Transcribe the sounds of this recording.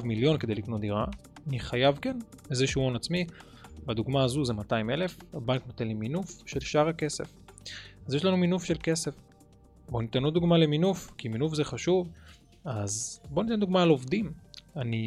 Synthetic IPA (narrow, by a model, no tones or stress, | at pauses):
vmiljo̞nkede̞jlikno̞td̪iʁaaniχajavkenezeʃuonat͡smi | bad̪uɡmaːzuze̞mataime̞le̞fabanknot̪enliminufʃe̞lʃaʁhake̞se̞̰fazjeʃ̬lanuminufʃelke̞se̞f | bo̞nit̪enuduɡmale̞minufkiminufzeχaʃuv | azbo̞nit̪end̪uɡmaːlo̞vd̪imani